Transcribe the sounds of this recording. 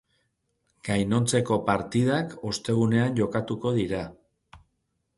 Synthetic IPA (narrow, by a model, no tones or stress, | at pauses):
ɡ̥ajno̞nt͡se̞ko̞paɾt̪ið̞ako̞st̪e̞ɣ̞une̞anʝo̞kat̪uko̞ðiɾa